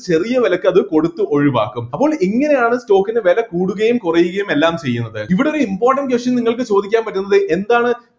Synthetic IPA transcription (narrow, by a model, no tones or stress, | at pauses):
t͡ɕe̞rijɐʋɐlɐkːɨɐðɨko̞ɽut̪ːɨʔo̞ɻiʋa̰ːkːumɐpːo̞ːɭiŋːɐne̞jaːɳɨsto̞ːkːinɨʋelɐkuːɽuɣɐjumkurɐjːuɣɐjume̞lːaːmt͡ɕe̞jːunːɐðɨiʋiɽeoɾuimpoːrʈːɐɳɖkʋesʈjɐniŋːɐɭkɨt͡ɕo̞ːd̪ikʲːaːnpɐtːunːɐðɨʔe̞nd̪aːɳɨ